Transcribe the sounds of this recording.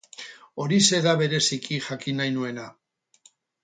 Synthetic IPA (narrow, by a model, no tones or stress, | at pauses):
o̞ɾise̞ðaβe̞ɾe̞sikiʝakinajnue̞na